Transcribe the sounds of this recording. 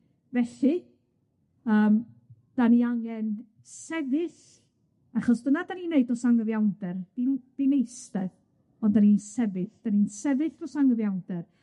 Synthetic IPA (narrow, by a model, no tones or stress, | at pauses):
vɛɬi | əːm | d̥aniaŋɛn | sɛvɨθ | aχɔsd̥ənadanineɨdɔsaŋəvjawndɛrd̥ind̥inejstɛð | ɔndaninsɛvɨθd̥aninsɛvɨθɔsaŋəvjawndɛr